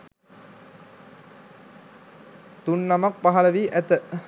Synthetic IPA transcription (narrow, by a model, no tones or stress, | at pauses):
t̪unːamak̚paɦaləʋiːʔæt̪ə